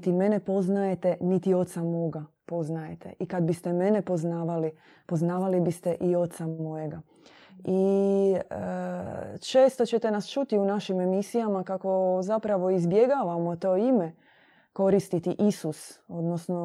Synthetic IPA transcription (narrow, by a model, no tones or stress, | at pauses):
t̪ime̞ne̞po̞znaje̞t̪e̞nit̪io̞t̪samo̞ːɡa | po̞znajet̪e̞̰ʔikad̪̚bist̪e̞me̞nepo̞znaːʋali | po̞znaːʋalibist̪e̞ʔio̞t̪samo̞je̞ɡa | i | t͡ʃe̞ːst̪o̞t͡ɕe̞t̪e̞nast͡ʃut̪iunaʃime̞misijamakako̞zapɾaʋo̞izbje̞ɡaːʋamo̞t̪o̞ːime | ko̞ɾist̪it̪iʔisusod̪nosno